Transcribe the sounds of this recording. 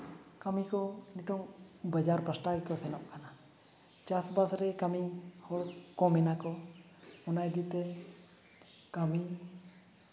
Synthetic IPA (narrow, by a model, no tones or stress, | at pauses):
kəmikɔnit̪ɔŋbəd͡ʒaɾpəsʈakɔsɛnɔʔkana | t͡ʃasbasɾɛkəmihɔɽkɔmɛnakɔ | ɔnajd̪it̪ɛ | kəmi